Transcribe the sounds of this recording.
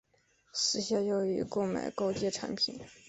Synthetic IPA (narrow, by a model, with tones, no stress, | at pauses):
sɹ̩˧˥ɕja˥˩jo˧˥ʊy̰˧˥ko˥˩ʊma̰˨˩ɪko˥˧ʊt͡ɕjɛ˥˩ʈ͡ʂʰa̰˧˥npʰḭ˨˩˦n